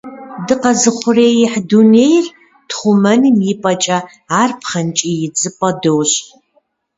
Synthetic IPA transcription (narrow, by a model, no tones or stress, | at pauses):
dɨqɐzɨχʷʊreːjɪħduneːjr | tχʷʊmɐnɨmjipʼɐt͡ʃʼɐ | aːrpʰχɐnt͡ʃʼijɪd͡zʼɨpʼɐdowɕ